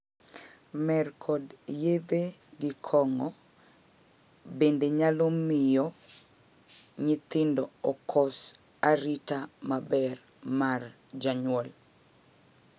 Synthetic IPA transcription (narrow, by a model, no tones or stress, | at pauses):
mɛrkʰɔdjed̪eɡɪkʰɔŋɔ | bendeɲalomɪjɔ | ɲɪt̪ɪndɔɔkʰɔs | aɾitamabɛr | mar | d͡ʒaɲwɔl